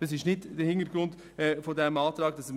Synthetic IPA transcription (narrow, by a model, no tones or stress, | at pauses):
d̥ɑs̬ɪʃnɪdd̥əhɪntəɾɡ̥ɾʊnd | ɛːfodɛmɑːtɾɑːɡ̥d̥ɑs